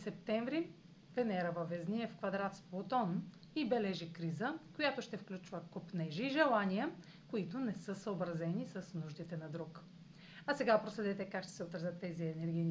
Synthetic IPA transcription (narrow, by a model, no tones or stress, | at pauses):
sɛp̚t̪ɛɱvɾi | vɛnɛɾəvɐvɛzniɛfkvɐd̪ɾat̪splˠot̪ɔn | ibɛlɛʒikɾizəkojat̪ʊʃt̪ɛfklʲut͡ʃvəkopnɛʒiːʒɛlˠanijə | koit̪ʊnɛsɤsəobɾɐzɛnisɐsnuʒd̪it̪ɛnɐd̪ɾuk | ɐsɛɡapɾoslɛd̪ɛt̪ɛkakʃt̪ɛ̥sɛot̪ɾɐzət̪ːɛziɛnɛɾɡʲin